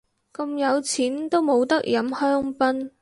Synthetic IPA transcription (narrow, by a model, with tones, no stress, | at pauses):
kɐ˧mjɐ˨˧wt͡sʰiː˨˥nt̪o˥wmo˨˧wt̪ɐ˥k̚jɐ˨˥mhœː˥ŋpɐ˥n